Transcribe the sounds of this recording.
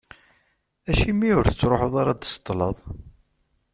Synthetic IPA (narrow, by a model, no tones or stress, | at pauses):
æʃimːiʊɾθət͡sːɾoħoðˤaɾˤɑd̪sə̥t̪ˤːləðˤ